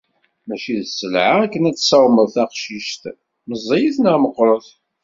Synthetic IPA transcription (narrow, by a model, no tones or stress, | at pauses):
mæʃiðsːəlʕaækːənæt͡sːsæwməðθæqʃiʃt̪ | məzˤːejiθnæməqːɾˤəθ